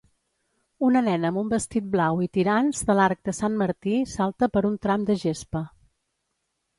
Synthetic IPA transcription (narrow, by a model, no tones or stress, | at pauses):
unənɛnəəmbumbəst̪it̪̚blawit̪iɾanzðəlaɾk̚d̪əsanməɾt̪isalˠt̪əpəɾunt̪ɾamd̪əʒespə